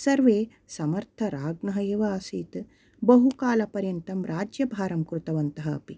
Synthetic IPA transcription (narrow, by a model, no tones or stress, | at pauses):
sɐɾʋeː | sɐmɐɾt̪ʰɐɾaːɡnɐɦɐjeːʋɐːsiːt̪ | bɐɦukaːlɐpɐɾjɐnt̪ɐmɾaːd͡ʒjɐbʱaːɾɐmkɾut̪ɐʋɐnt̪ɐɦɐ̰ːpi